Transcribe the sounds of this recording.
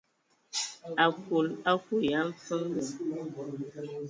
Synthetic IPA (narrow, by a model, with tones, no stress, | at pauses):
a˨ku˨la˦ku˨ja˨˦m̩˦fə˦m˦bu˨